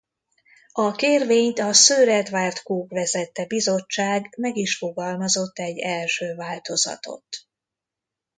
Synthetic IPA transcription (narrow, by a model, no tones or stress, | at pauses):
ɒkeːrveːɲt̪ɒsøːɾɛd̪vaːrt̪kuːkvɛzɛt̪ːɛbizo̞t͡ʃːaːɡmɛɡiʃfo̞ɡɒlmɒzo̞t̪ːɛɟːɛlʃøːvaːlt̪o̞zɒ̰t̪o̞̰t̪